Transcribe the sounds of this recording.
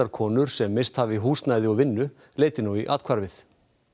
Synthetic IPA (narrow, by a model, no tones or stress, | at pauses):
aɾkʰɔːnʏɾ̥sɛmːeːjst̪havɪiɦuːst̪naːjðɪɔɣvɪnːʏ | leːjt̪ɪnuwiʔa̰ːt̪kʰvaɾvɪθ